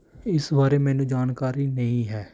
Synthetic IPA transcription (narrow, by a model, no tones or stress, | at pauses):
ɪsbaːɾeːmɛːnũːd͡ʒaːnkaːɾiːnəĩːɦɛː